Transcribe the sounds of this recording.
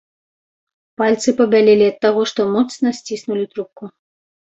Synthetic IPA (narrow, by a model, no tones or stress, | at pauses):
palʲt̪sɨpɐbʲalʲelʲiɐt̪ːaɣɔʂt̪ɔmɔt̪snɐsʲt͡sʲisnulʲit̪ɾup̚ku